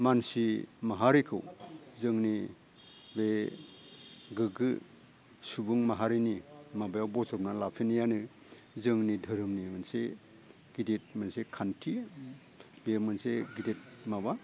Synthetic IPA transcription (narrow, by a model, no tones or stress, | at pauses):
mansimaɦaɾikʰɯwzɯŋni | be | ɡɯɡɯ | subuŋmaɦaɾinimabajawbɔsɔp̚nalapʰinijanɯ | zɯŋnidʱɯɾɯmnimɯnse | ɡ̥idet̚mɯnsekʰantʰi | bemɯnseɡidet̚maβa